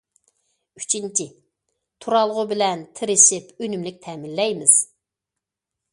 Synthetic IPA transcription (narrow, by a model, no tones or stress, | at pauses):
y̥t͡ʃʰint͡ʃʰi | t̪ʰuɾɑlˠʁʊbɪlɛnt̪ʰɪɾɪʃɪpønymlɪk̚ʲt̪ʰɛmɪnːɛjmɪz̥